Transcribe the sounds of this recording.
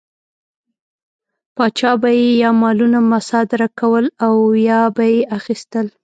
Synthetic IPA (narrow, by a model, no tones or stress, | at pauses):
pɑt͡ʃɑbajejɑmɑlunamasɑd̪ɪɾakawəlawjɑbajeʔaxist̪əl